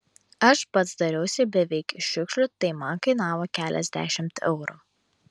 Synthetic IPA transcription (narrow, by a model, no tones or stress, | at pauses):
ɐʃpɐt̪sd̪ɐɾʲɛʊsʲɪbʲɛʋʲɛɪkʲɪʃʲʊkʃʲlʲʊt̪ɐɪmɐnkɐɪnɑːʋoːkʲæːlʲʔɛ̰zʲd̪ʲæ̰ʃʲɪmt̪ɛ̰ʊɾu